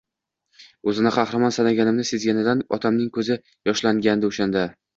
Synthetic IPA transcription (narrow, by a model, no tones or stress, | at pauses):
ɵzɪnɪqʰɑhɾamɒnsanaɡʲanɪmnɪse̞zɡʲanɪd̪anɒt̪ʰamnɪŋkʰɵzɪ | jɒʃlaŋɡʲand̪ɪʊʃand̪a